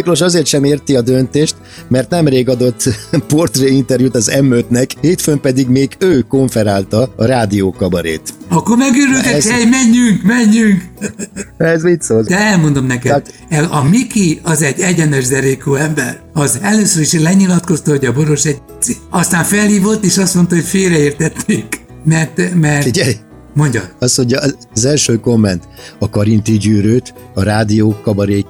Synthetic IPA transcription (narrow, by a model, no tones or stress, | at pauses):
kloʃɒzeːrt̪ʃɛmeːrt̪iɒd̪ønt̪eːʃt̪ | mɛrt̪nɛmreːɡɒd̪ot̪ːpo̞rt̪reːint̪ɛɾjut̪ɒzɛmøt̪nɛkheːt̪fømpɛd̪iɡmeːɡøːkoɱfɛɾaːlt̪ɒɒɾaːd̪ioːkɒbɒɾḛːt̪ɒkːomɛɡøːɾylt̪ɛhɛjmɛɲːyŋkmɛɲːyŋk | ɛzmint̪soːd̪ɛɛlmo̞nd̪o̞mnɛkɛd̪ɛlɒmikiɒzɛɟɛɟɛnɛʒd̪ɛɾekoːɛmbɛr | ɒzɛløːsøɾiʃlɛɲilɒt̪ko̞st̪ɒɦo̞ɟɒbo̞ɾo̞ʃɛɟ̚ | ɒst̪aːɱfɛlhiːvo̞t̪ːeːʃɒst̪mo̞nt̪ɒɦo̞cfeːɾɛeːrt̪ɛt̪neːk | mɛrt̪mɛrtiɟɛj | mo̞ɲɟɒ̰ɒsmoɲɟɒ | zɛlʃøːkomːɛnt̪ɒkɒɾint̪iɟyːɾøːt̪ | ɒɾaːd̪ioːkːɒbɒɾeː